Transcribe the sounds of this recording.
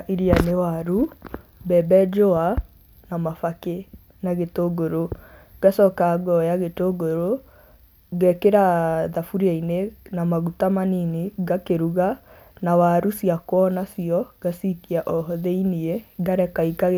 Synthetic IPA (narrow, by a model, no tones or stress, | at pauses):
iɾianewaɾu | bɛbɛd͡ʒoa | namafake | naɣetoɡoɾoɡ̥asɔkaɡɔjaɣetoɡoɾo | ɣɛkeɾaðafuɾiainenamaɣutamaniniɣakeɾuɣa | nawaɾusiakwɔnasiɔɡasikiaʔɔɦɔðeinieɣaɾɛkaikaɣ